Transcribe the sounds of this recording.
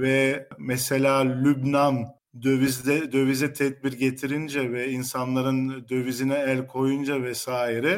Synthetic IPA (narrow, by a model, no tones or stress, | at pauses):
vɛmɛselʲaːlʲybnan | d̪øviɛd̪øvizɛt̪ʰɛd̪̚biɾɟet̪ʰiɾind͡ʒɛvɛinsanlˠaɾɯnd̪øvizinɛælʲkʰo̞jund͡ʒavɛsaːiɾɛ